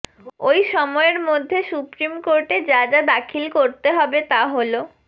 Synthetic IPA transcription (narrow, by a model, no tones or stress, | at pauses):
ojʃɔmɔeɾmod̪ʱːesupɾimkoɾʈed͡ʑad͡ʑad̪akʰilkoɾt̪eɦɔbet̪aɦolo